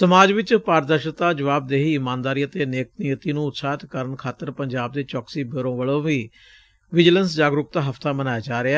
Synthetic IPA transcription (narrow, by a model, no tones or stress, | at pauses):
səmaːd͡ʒʋɪt͡ʃpaːɾd̪əɾʃət̪aːd͡ʒəʋaːb̚d̪eːɦiːɪmãːnd̪aːɾiːət̪eːneːk̚nɪjət̪iːnũːʊt̪saːt̪kəɾənkʰaːt̪ːəɾpəɲd͡ʒaːb̚d̪eːt͡ʃɔːksiːbəɾõːʋəɭõːʋiː | ʋɪd͡ʒələnsd͡ʒaːɡɾʊk̚t̪aːɦəft̪aːmənaːjaːd͡ʒaːɾeɛː